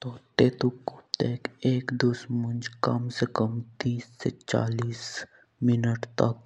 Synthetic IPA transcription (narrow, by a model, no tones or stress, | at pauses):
t̪oːt̪eːt̪ukːot̪eːkeːkd̪ʊsmʊnd͡ʒkəmsekəmt̪iːsːet͡ʃa̰ːliːs | mɪnəʈt̪ɐk̚